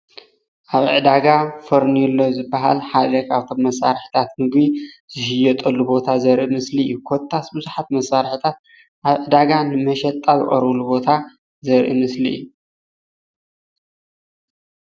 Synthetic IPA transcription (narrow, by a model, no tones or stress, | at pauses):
ʔaβʕɨd̪aɡafɐɾnilːozɨbːaɦa̰lħad̪ɐkaβt̪ʰo̞mːɐsaɾħi̥t̪ʰat̪mɨɡbiz̥ɨhɨjːɐt̪ʼɐlːubo̞t̪ʰazɐɾʔimɨsliɨjːukʰot̪ʰːasbɨzuħat̪mɐsaɾħit̪ʰat̪̚ | ʔaβʕɨd̪aɡanɨmɐʃɛt̪ʼːazɨ̰χʼɐɾɐlubo̞t̪ʰa | zɐɾʔimɨslḭʔjːu